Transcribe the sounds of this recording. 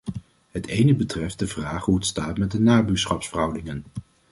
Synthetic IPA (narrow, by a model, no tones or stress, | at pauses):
ɦətejnəbətrɛft̚dəvraːχɦuətstaːtmɛt̚dənaːbyːɹsχɑpsfərɦʌwdɪŋən